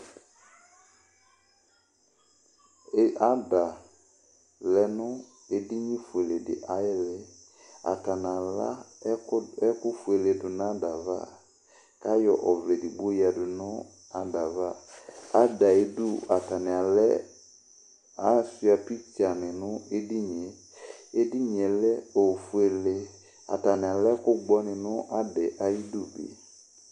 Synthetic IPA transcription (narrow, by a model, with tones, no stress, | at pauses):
a˦da˨ | lɛ˦nʊ˦ | ɪ˦dɪ˦ɲĩ˦fu˨e˨le˨dɪ̰˨ʔa˦jɪ˦lɛ˦ | a̰˨ta˨n˨a˨la̰˦ | ɛ˦kʊ˦fu˨e˨le˨dʊ˨n˦a˦da˨va̰˦ | ka˦jɔ˨ʔɔ˨vlɛ˨dɪ˨ɡ͡bo˦ja˨dʊ˨nʊ˦ | a˨da˨va˦a˦da˨i˦du˦˨a˨ta˨nɪ˨a˨lɛ˦ | a˦si˦a˨pi˦t͡ʃa˨nɪ˨nʊ˦e˦di˦ɲe˨ | e˦di˦ɲ˨ɛ˨lɛ˦o˨fu˨e˨le˨ | a̰˨ta˨nɪ˨a˨lɛ˦kʊ˦ɡ͡bɔ˦nɪ˨nʊ˦ʔa˦dɛ˨ʔa˨ji˦du˦˨bḭ˨